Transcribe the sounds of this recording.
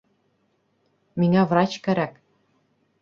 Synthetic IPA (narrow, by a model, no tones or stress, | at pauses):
miŋævrɑt͡ɕkæɾæk